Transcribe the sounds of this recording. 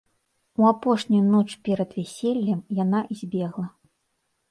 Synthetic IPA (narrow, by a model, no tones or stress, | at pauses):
uapɔʂnʲujunɔt͡ʂpʲɛɾɐd̪vʲɛsʲelʲːɐmjanaʔizʲbʲɛɣlˠɐ